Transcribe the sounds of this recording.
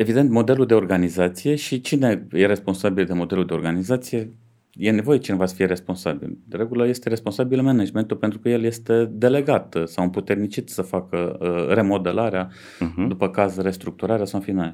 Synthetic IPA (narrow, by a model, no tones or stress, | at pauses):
e̞vid̪ent̪mo̞d̪e̞luld̪e̞o̞rɡanizat̪sije̞ʃit͡ʃine̞je̞ɾe̞spo̞nsabild̪e̞mo̞d̪e̞luld̪e̞oɾɡanizat̪sije̞ | je̞ne̞vo̞jet͡ʃinevasfieɾe̞spo̞nsabḭlɾe̞ɡuləje̞st̪e̞ɾe̞spo̞nsabilmenad͡ʒme̞nt̪upent̪ɾukəje̞lje̞st̪e̞d̪e̞le̞ɡat̪sawɨmput̪e̞rnit͡ʃit̪səfakəre̞mo̞d̪e̞laɾea | d̪upəkazre̞st̪ɾuk̚t̪uɾaɾeasawfinal